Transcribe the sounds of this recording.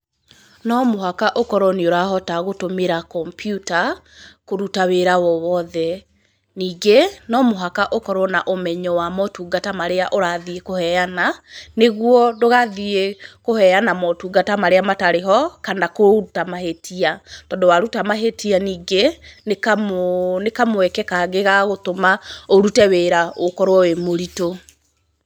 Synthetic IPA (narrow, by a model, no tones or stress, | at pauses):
nɔmoɦakaʔokɔɾɔnioɾaɦɔtaɣotomeɾakɔmpjuta | koɾutaweɾawɔwɔðɛ | niːɡenɔmoɦakaʔokɔɾɔnaʔomɛɲɔwamɔtuɡatamaɾeaʔoɾaðiekohɛjananeɣwɔdoɣaðiekohɛjanamɔtuɡatamaɾeamataɾeɦɔkandakoutamahetʰiatɔːndɔwaɾutamaɦetʰianiːɡenekamonekamoɛkɛkaɣeɣaɣotomaoɾutɛweɾaokɔɾwɔwemoɾito